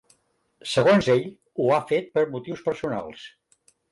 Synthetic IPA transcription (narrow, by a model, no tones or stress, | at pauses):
səɣ̞onzeʎ | uafet̪̚pəɾmut̪iwspəɾsuna̰lˠs